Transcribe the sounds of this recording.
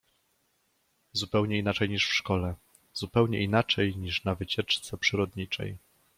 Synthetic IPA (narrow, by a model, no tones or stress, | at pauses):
zupɛwɲɛinat͡ʂɛjɲiʂfʂkɔlɛ | z̥upɛwɲɛʔinat͡ʂɛjɲiʂnavɘt͡ɕɛt͡ʂt̪sɛpʂɘɾɔd̪ɲit͡ʂɛ̰j